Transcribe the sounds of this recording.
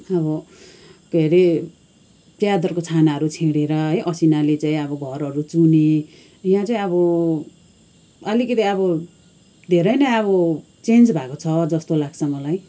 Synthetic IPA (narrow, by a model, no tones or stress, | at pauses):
ʌbʌ | ɡ̥ʱeɾe | pjad̪ʌrkot͡sʰanaɦʌɾut͡sʰiɽeɾʌɦʌjʔʌsinalet͡saĩʌbʌɡʱʌrʌɾut͡sune | jãt͡saĩʌbʌ | ʌlikʌt̪iʌβʌ | d̪ʱeɾʌjnʌʌβʌ | t͡send͡zbʱakot͡sʰʌd͡zʌst̪olaɡt͡sʰʌmʌlaj